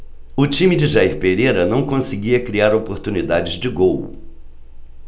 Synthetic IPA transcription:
ʊt͡ʃĩmɪd͡ʒɪʒaiɾpeɾejɾɐnɐ̃w̃kõsɪɡiɐkɾiaɾopoɾt̪unid̪ad͡ʒɪzd͡ʒɪɡow̰

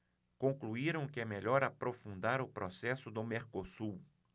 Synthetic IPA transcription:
kõkluiɾɐ̃w̃kɪɛmeʎɔɾapɾofũnd̪aɾʊpɾʔosɛsʊd̪ʊmeɾkosuw

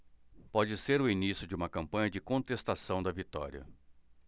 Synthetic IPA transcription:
pɔd͡ʒɪseɾʊinisjʊd͡ʒɪũmɐkɐ̃mpɐ̃ɲɐd͡ʒɪkõnt̪est̪asɐ̃w̃d̪ɐvit̪ɔ̰ɾḭɐ̰

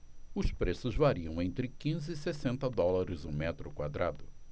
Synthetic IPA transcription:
ʊspɾesʊzvaɾiɐ̃w̃ẽnt̪ɾɪkĩzɪːsesẽnt̪ɐd̪ɔlaɾʊzũmɛt̪ɾʊkwad̪ɾad̪ʊ

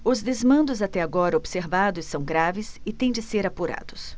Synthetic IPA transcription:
ʊzd̪ezmɐ̃nd̪ʊzat̪ɛaɡɔɾɐobseɾvad̪ʊsɐ̃w̃ɡɾavɪsɪt̪ẽj̃d͡ʒɪseɾapuɾa̰d̪̥ʊs

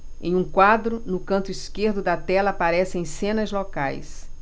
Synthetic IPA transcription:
ḛ̃j̃ũkwad̪ɾʊnʊkɐ̃nt̪ʊiskeɾd̪ʊd̪ɐt̪ɛlɐapaɾɛsẽj̃sẽnɐzlokajs

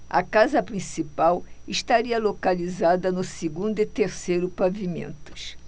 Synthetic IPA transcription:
ɐ̰kazɐpɾĩsipawɪʃt̪aɾiɐlokalizad̪ɐnʊseɡũnd̪ʊɪt̪eɾsejɾʊpavimḛ̃nt̪ʊ̥s

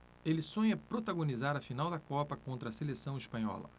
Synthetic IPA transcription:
elɪsõɲɐpɾot̪aɡõnizaɾɐfinawd̪ɐkɔpɐkõnt̪ɾɐselesɐ̃w̃ispɐ̃ɲɔ̰lɐ̰

